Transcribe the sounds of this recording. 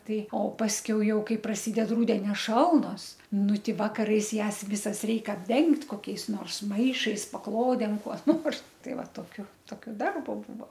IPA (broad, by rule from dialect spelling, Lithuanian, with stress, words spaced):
ˈtɐɪ oː pɐsʲˈkʲɛʊ ˈjɛʊ ˈkɐɪ prɐˈsʲiːdʲɛt ˈrʊdʲɛnʲoː ˈʃɐlˠnoːs ˈnʊ ˈtʲɪ ˈʋɑːkɐrɐɪs ˈjæːs ˈʋʲɪsɐs ˈrʲɛɪk ɐbʲˈdʲɛŋktʲ koːˈkʲɛɪs ˈnoːrs ˈmɐɪʃɐɪs pɐˈklˠoːdʲeːm kuɔ ˈnoːrs ˈtɐɪ ˈʋɐ toːˈkʲʊ ˈtoːkʲoː ˈdɐrboː ˈbuːʋoː